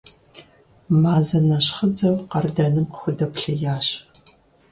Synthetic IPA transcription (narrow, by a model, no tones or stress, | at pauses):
maːzɐnɐɕχəd͡zɐwqɐrɨdɐnɨmqxʷʊdɐpɬɐjaːɕ